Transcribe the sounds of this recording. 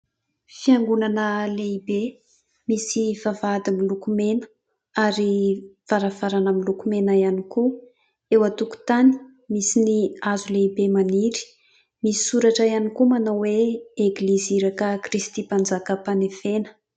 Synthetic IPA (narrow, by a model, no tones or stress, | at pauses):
fiaŋɡunanəleibe | misivavad̪imilukumenə̥ | aɾiv̥aɾavaɾanəmilukumenaianiku | ewat̪uku̥t̪ani̥ | misiniazuleibemaniɾi̥ | misi̥suɾaʈ͡ʂaianikumanawweeɡliziɾakəkrist̪ipand͡zakəpanefenə̥